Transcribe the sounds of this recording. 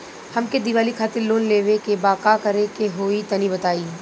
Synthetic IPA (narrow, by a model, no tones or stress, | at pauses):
hɐmked̪ɪʋaːlikʰaːt̪ɪɾloːnleːʋekebaːkakɐɾekeɦoːit̪ɐnibɐt̪aːiː